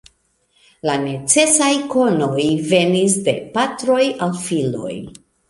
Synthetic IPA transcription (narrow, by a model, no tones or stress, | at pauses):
lane̞t͡se̞sajko̞no̞jve̞nis̬de̞̰patɾo̞jalfilo̞̰j